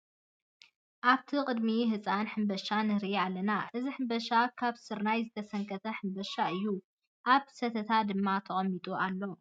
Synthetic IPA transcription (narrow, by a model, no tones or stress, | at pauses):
ʔaβt̪ʰiqʼɨd̪miɦɨt͡sʼanħɨmbɐʃanɨhɾialːɐnaʔɨziħɨmbɐʃakʰaβsɨɾnajzɨt̪ʰɐsɐŋkʰɐt̪ʰɐħɨmbɐʃaɨjːu | ʔaβsɐt̪ʰɐt̪ʰad̪ɨmːat̪ʰɐχʼɐmːit̪ʼualːo̞